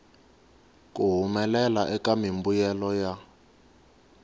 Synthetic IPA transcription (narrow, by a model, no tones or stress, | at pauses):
kuɦumɛlɛlaʔɛkamimbujɛlɔja